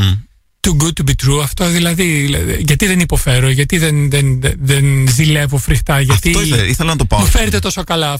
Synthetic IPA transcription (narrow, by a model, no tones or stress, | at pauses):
t̪uɡuubit̪ɾuɐft̪o̞ðilɐðiʝɐt̪iðenipo̞fe̞ɾo̞ʝɐt̪iðenðenðenzile̞vo̞fɾixt̪ɐʝɐt̪ioeiθelɐnɐt̪opɐmufe̞ɾet̪e̞t̪o̞so̞kɐlɐ